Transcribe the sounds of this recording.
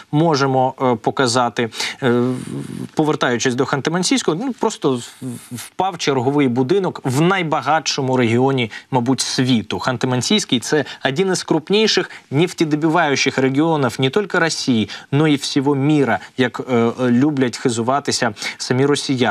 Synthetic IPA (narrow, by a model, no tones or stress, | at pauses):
mɔʒemɔpɔkɐzɑt̪ɪ | pɔʋert̪ɑjʊt͡ʃɪsʲd̪ɔxɐnt̪ɪmɐnʲsʲijsʲkɔɦɔnupɾɔst̪ɔwpɑwt͡ʃerɦɔʋɪjbʊd̪ɪnɔkʋnɐjbɐɦɑtʃɔmʊɾeɦʲiɔnʲimɐbutʲsʲʋʲit̪ʊxɐnt̪ɪmɐnʲsʲijsʲkʲijt̪sɛɐdʲinɪskɾʊpnʲijʃɪxnʲiftʲid̪ɔbʲɪʋɑjʊt͡ʃɪxreɡʲiɔnɐwnʲɪt̪ɔlʲkɪɾɐsʲijinɔiwsʲɔɦɔmʲiɾɐjɐklʲublʲɐtʲxɪzʊʋɑt̪ɪsʲɐsɐmʲiɾɔsʲija